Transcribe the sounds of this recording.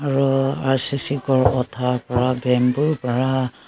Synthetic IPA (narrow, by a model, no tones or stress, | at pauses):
aɹuaɹsisikɔɹɔtʰapɔɹabɛmbuɹpɔɹa